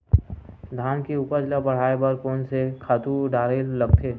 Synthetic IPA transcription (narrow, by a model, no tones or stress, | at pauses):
d̪ʱaːnkiʊpəd͡ʒlabɐɽ̤aːebəɾkoːnsekʰaːt̪uɖaːɾellɐɡt̪ʰeː